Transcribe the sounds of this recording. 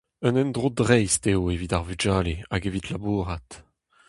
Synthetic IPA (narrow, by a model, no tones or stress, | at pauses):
ənɛnd̪ʁod̪ʁɛjst̪eoevid̪aʁvyd͡ʒaːleaɡevit̪labuːʁat̪